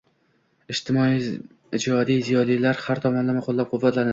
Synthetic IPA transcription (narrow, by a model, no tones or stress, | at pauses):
ɪʃt̪ʰɪmɒi | ɪd͡ʒɒd̪ijzijɒlilaɾhaɾt̪ʰɒmɒnd̪amaqʰolˠːap̚qʰʊvːat̪ʰlaɾn